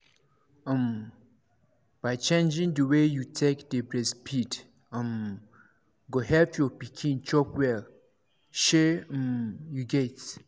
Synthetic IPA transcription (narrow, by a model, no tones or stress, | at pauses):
ə̃m | b̥aɪt͡ʃẽnd͡ʒĩŋdəwejutʰekdəbɹɛspʰit | ə̃m | ɡoɦɛpjɔpikʰĩnt͡ʃɔpwɛl | ʃẽmjuɡɛt